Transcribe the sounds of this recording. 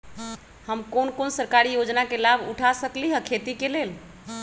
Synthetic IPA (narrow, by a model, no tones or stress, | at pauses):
həmkonkonsəɾkaɾijod͡ʒnakelabʱṵʈʰasəkliɦəkʰet̪ikelel